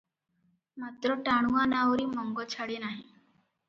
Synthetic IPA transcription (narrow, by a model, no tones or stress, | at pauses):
mat̪ɾəʈaɽ̃uanaʋɾiːmɔŋɡɔt͡ɕʰaɽenaɦi